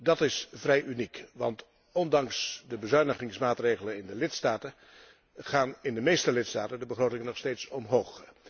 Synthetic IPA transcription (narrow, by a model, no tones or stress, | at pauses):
dɑtɪsvrɛjʔynikʋɑ̰nt | ɔndɑŋsdəbəzœɥnəχɪŋsmaːtrejχələnɪndəlɪtstaːtə | χaːnɪndəmejstəlɪtstaːtəndəbəχroːtɪŋnɔχstejtsɔmɦowχ